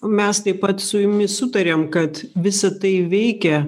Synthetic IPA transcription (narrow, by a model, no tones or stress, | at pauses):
mʲɛst̪ɐɪpɐt̪sʊjʊmʲɪsʊt̪ɐɾʲeːmkɐt̪ʋʲɪsɐt̪ɐɪʋʲɛɪkʲɛ